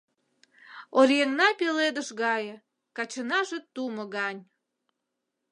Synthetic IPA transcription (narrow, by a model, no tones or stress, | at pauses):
oɾʲjeŋnɑpeled̪əʃɣɑjə̆ | kɑt͡ɕənɑʒet̪uməɣɑnʲ